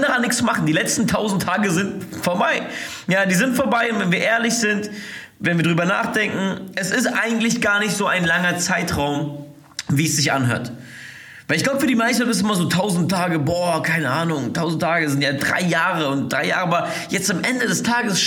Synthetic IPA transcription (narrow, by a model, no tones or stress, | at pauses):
ndaʁanːɪçksmaχn̩diːlɛt͡stn̩tʰaʊzn̩tʰaːɡəzɪntfoːɐbaɪ | jaːdiːzɪntfoːɐbaɪʊntvɛnviːɐʔeːɐlɪçz̥ɪnt | vɛnviːɐdʁyːbɐna̰ːχd̥ɛŋkŋ̩ʔɛsɪstʔa̰ɪɡŋ̩tlɪçɡ̥aːɐnɪçtz̥oːaɪnlaŋɐt͡saɪtʁaʊm | viːɛsz̥ɪçʔa̰nɦø̰ːɐt | vaɪlɪçɡ̥laʊbəfyːɐdiːmaɪstbɪsɪmɐzoːtʰaʊzn̩tʰːaːɡəbɔɐkʰaɪnəʔaːnʊŋtʰaʊzn̩tʰaːɡəzɪntjaːdʁa̰ɪjaːʁəʊnt̚d̥ʁaɪja̰ːʁəʔabɐ | jɛt͡stamʔɛndədɛstʰaːɡəsʃ